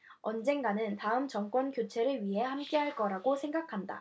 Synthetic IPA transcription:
ʌnd͡ʑe̞ŋɡanɯntaɯmt͡ɕʌŋk͈wʌnkjot͡ɕʰe̞ɾɯɭɥiɦe̞hamk͈e̞ɦaɭk͈ʌɾaɡosʰe̞ŋɡakʰanda̰

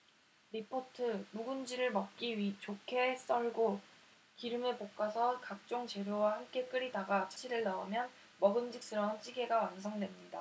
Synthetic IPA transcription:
ɾipʰotʰɯmuɡund͡ʑiɾɯɭmʌk̚k͈iɥit͡ɕokʰe̞s͈ʌɭɡo | kiɾɯmepok̚k͈asʰʌkak̚t͡ɕ͈oŋt͡ɕe̞ɾjowahamk͈e̞k͈ɯɾidaɡat͡ɕʰḁɕʰiɾɯɭnaomjʌn | mʌɡɯmd͡ʑik̚s͈ɯɾʌnt͡ɕ͈ʰiɡe̞ɡawans̬ʰʌŋdwe̞mɲida

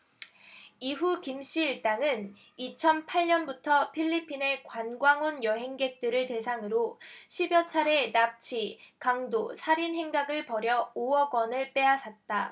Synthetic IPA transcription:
iɦukimɕ͈iːɭt͈aŋɯn | it͡ɕʰʌnpʰaɭɲʌnbutʰʌpʰiʎːipʰine̞kwanɡwaŋonjʌɦe̞ŋɡe̞k̚t͈ɯɾɯɭte̞sʰaŋɯɾoɕʰibjʌt͡ɕʰaɾe̞nap̚t͡ɕʰikaŋdosʰaɾinɦe̞ŋɡaɡɯɭpʌɾjʌoʌɡwʌnɯɭp͈e̞asʰat̚t͈a

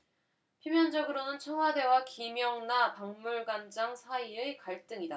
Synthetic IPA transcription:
pʰjimjʌnd͡ʑʌɡɯɾonɯnt͡ɕʰʌŋɦwade̞wakimjʌŋnapaŋmuɭɡand͡ʑaŋsʰaiekaɭt͈ɯŋida

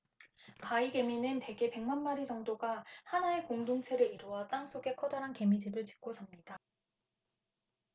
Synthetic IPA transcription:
kaiɡe̞minɯnte̞ɡe̞pe̞ŋmanmaɾid͡ʑʌŋdoɡahanae̞koŋdoŋt͡ɕʰe̞ɾɯɾiɾuʌt͈aŋs͈ʰoɡe̞kʰʌdaɾɦanke̞mid͡ʑibɯɭt͡ɕi̥k̚k͈osʰamɲid̥a

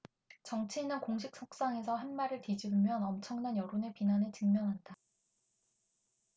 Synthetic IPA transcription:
t͡ɕʌŋt͡ɕʰiːnakoŋɕʰik̚s͈ʰok̚s͈aŋe̞sʰʌɦemːaɾɯɭtid͡ʑiumjʌnʌmt͡ɕʰʌŋnanjʌɾonepinanɯɭt͡ɕɯŋmjʌŋɦanda

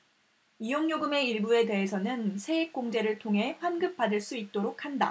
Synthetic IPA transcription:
ijoŋɲoɡɯme̞iɭbue̞de̞ɦesʰʌnɯnsʰe̞ek̚k͈oŋd͡ʑe̞ɾɯɭtʰoŋɦe̞pʰanɡɯp̚p͈adɯɭs͈uit̚t͈oɾok̚ʰhanda̰

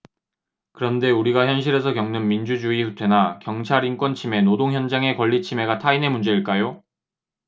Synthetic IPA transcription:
kɯɾʌnde̞uɾiɡaçjʌnɕ̬ʰiɾe̞sʰʌkjʌŋnɯnmind͡ʑud͡ʑuiɸutʰe̞nakjʌŋt͡ɕʰaɾink͈wʌnt͡ɕʰime̞nodoŋçjʌnd͡ʑaŋe̞kwʌʎːit͡ɕʰime̞ɡatʰaine̞mund͡ʑe̞iɭk͈ajo

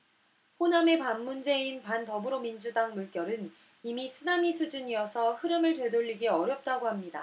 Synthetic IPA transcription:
poname̞panːund͡ʑe̞inpantʌbɯɾomind͡ʑudaŋmuɭk͈jʌɾɯn | imisʰɯnamisʰud͡ʑuɲijʌsʰʌhɯɾɯmɯɭtwe̞doʎːiɡiʌɾjʌp̚t͈aɡohamɲida

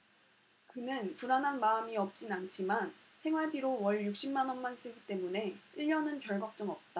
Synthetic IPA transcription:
kɯnɯnpuɾanɦanmaɯmiʌp̚t͡ɕ͈inant͡ɕʰiman | sʰe̞ŋɦwaɭpiɾowʌɭjuk̚ɕ͈imːanʌnmans͈ʰɯɡit͈e̞mune̞iʎːʌnɯnkjʌɭɡʌk̚t͡ɕ͈ɯŋʌp̚t͈a

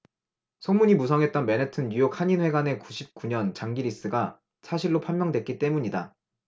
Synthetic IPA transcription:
sʰomuɲimus̬ʰʌŋɦe̞t̚t͈ʌnme̞netʰɯnjujok̚haɲinwe̞ɡane̞kuɕʰip̚k͈uɲʌnt͡ɕaŋɡiɾis͈ɯɡa | sʰaɕʰiɭːopʰamjʌŋdwe̞t̚k͈it͈e̞muɲida

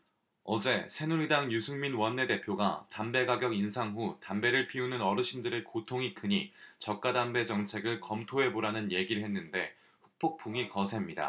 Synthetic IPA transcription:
ʌd͡ʑe̞sʰe̞nuɾidaŋjusʰɯŋminwʌnːe̞de̞pʰjoɡatambe̞ɡaɡjʌɡinsʰaŋɦutambe̞ɾɯɭpʰiunɯnʌɾɯɕʰindɯɾekotʰoŋik͈ɯɲit͡ɕʌk̚k͈adambe̞d͡ʑʌŋt͡ɕʰe̞ɡɯɭkʌmtʰoɦe̞boɾanɯnje̞ɡiɾɯɭhe̞nːɯnde̞ | ɸuk̚p͈ʰok̚p͈ʰuŋikʌsʰe̞mɲida̰

